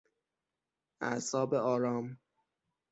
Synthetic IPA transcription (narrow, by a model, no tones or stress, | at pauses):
æ̰sɒːbeɒːɾɒːm